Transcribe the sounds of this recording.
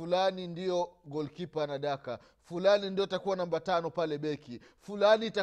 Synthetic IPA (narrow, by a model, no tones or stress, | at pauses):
ulanindijɔɡɔlkipanaɗaka | fulanindiɔtakuwanambatanɔpalɛɓɛkifulaniːta